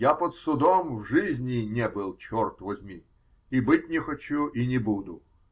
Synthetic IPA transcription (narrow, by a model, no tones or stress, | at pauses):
japət̪sʊd̪omvʐɨzʲnʲɪnʲebɨlˠt͡ɕort̪vɐzʲmʲi | ibɨt̚ʲnʲɪxɐt͡ɕuʔinʲɪbud̪ʊ